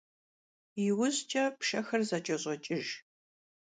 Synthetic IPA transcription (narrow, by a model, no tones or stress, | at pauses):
jɪwʊʑt͡ʃʼɐpʂɐxɐrzɐt͡ʃʼɐɕʼɐt͡ʃʼɪʒ